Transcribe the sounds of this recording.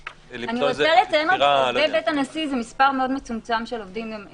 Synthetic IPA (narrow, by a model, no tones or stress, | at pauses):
aniʁʁosalet͡sajemeebetanasizemispaʁmeo̞d̪met͡sumt͡samʃelovdimem